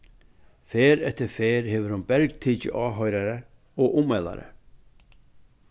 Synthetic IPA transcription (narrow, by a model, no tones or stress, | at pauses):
feːɾɛt̪əɾfeːɾheːʋəɾhʊnbɛɾɡt̪ʰiːcə̰ʔɑːɦœʏɾaɾə | ɔʔʊmɛla̰ɾə̰